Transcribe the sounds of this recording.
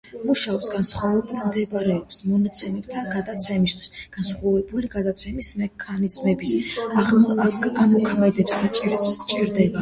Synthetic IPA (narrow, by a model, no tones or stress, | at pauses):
muʃaɔpsɡansχwavɛbulˠmd̪ɛbɾɛɔpsmɔnat̪sʰɛmɛpt̪ʰaɡad̪at̪sʰɛmist̪ʰwi̥sɡ̥ansχavɛbuliɡad̪at̪sʰɛmismɛkʰanizmɛbis | amɔkʰmɛd̪ɛpsːat͡ʃʼit͡ʃʼiɾd̪ɛba